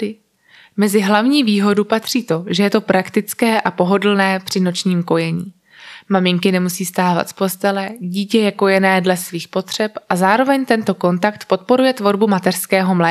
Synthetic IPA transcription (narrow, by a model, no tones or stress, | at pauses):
ɪ | mɛzɪɦlavɲiːviːɦo̞dupat̪r̝̥iːt̪o̞ʒɛjɛt̪o̞pɾʔakt̪ɪt͡skɛːʔapo̞ɦo̞dl̩nɛːpr̝̥ɪno̞t͡ʃɲiːmko̞jɛɲḭː | mamɪŋkɪnɛmusiːst̪aːva̰t̪fpo̞st̪ɛlɛɟiːcɛjɛko̞jɛnɛːdlɛsviːxpo̞t̪r̝̥ɛpʔazaːɾo̞vɛɲt̪ɛnt̪o̞ko̞nt̪akt̪po̞t̪po̞ɾujɛt̪vo̞ɾbumat̪ɛrskɛːɦo̞mlɛː